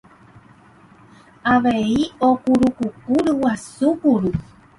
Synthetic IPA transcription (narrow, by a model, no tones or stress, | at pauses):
aʋeiokuɾukukuɾɨwasukuɾu